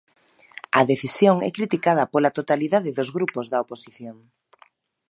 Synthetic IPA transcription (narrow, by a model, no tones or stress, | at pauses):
ɐðeθisjoŋɛ̰kɾit̪ikað̞ɐpolat̪ot̪aliðaðɪðozɣɾupozðɐoposiθjoŋ